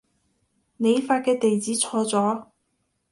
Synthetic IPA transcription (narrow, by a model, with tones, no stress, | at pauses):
ne˨˧jfaː˧t̚kɛː˧t̪e˨jt͡siː˨˥t͡sʰɔː˧t͡sɔː˨˥